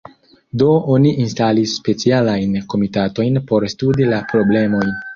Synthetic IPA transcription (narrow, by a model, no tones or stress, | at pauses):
do̞oniʔinstalisːpe̞t͡sialajnko̞mitato̞jnpo̞ɾstudilapɾo̞ble̞moj